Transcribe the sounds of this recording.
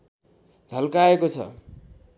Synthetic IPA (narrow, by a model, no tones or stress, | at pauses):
d͡zʱʌlkaekot͡sʰʌ̰